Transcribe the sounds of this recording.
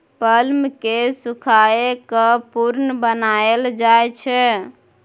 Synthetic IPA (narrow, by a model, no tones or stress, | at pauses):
pəlmkesukʰaekɔpuɾnəbənaeld͡ʒajt͡ʃʰɛ